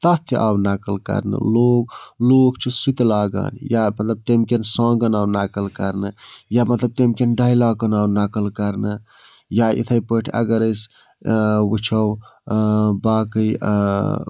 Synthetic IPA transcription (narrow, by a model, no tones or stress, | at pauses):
t̪at̪ʰʔawnakəlkɐ̰ɾnə̰loːɡloːkt͡ʃʰisit̪laːɡa̰njamɐt̪ləb̚t̪emkensãːɡənawnaːkəlkɐɾnəjamɐt̪ləb̚t̪emkenɖajlaːkənawnakəlkɐɾnə | jaḭt̪ʰəjpəʈʰɐ̰ɡəɾəs | wut͡ʃʰɐw | baːkəj